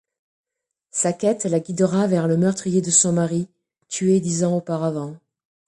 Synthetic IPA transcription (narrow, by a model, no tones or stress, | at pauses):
sakʲɛt̪laɡʲid̪əʁavɛʁləmœʁt̪χijed̪əsɔ̃maʁi | t̪ʰyed̪izɑ̃opaʁavɑ̃